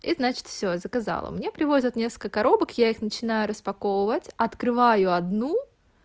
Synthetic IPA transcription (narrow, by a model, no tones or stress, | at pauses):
iznat͡ɕɪ̥t̪fsʲozəkɐza̰lˠə̰mnʲe̞pɾʲɪvo̞zʲət̪nʲe̞skə̥lkəkɐɾo̞bəkjaixnət͡ɕɪnajʊɾəspɐkovəvətʲɐt̪kɾɨvajʊɐd̪nu